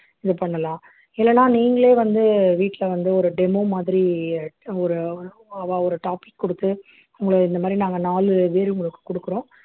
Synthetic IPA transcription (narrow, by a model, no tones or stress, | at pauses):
ɪðɯpɐɳːɐlãː | ɪlːɛlãːniːŋɡɐɭeːʋɐnd̪ɯʋiːʈːlɐʋɐnd̪ɯɔɾɯɖɛmoːmaːðɪɾi | ɔɾɯɔɾɯ | ɐʋaːɔɾɯʈaːpɪkːɔɽɯt̪ːɯ | ʊŋɡɐɭɯɪnd̪ɐmaːd̪ɾinaːŋɡɐnaːlɯʋeːɾʊŋɡɐɭɯkːɯ̥kɔɽɯkːɯɾõː